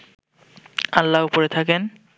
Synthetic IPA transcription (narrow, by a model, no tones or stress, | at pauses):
a̰lːaupoɾet̪ʰaken